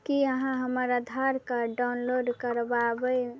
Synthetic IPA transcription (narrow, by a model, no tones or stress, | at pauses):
kiəɦãɦəməɾəd̪ʱaɾkaɖaʊnloɖkəɾbabəj